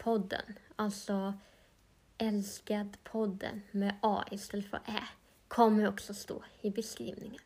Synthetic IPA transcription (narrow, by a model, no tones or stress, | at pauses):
pʰɔd̪ə̰nɑlsɔ | ʔɛlskəd̪pʰɔd̪ə̰nmɛʔɑ̰ːʔɪst̪ɛd̪əfɔ̰ɾʔeː | kʰɔmːəɾɔksɔst̪ṵːɾɪbəskɾḭːʋnɪŋən